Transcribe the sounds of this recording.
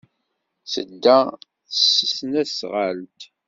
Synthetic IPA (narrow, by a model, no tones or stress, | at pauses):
θə̰d̪ːæ | səsnæsʁəlt̪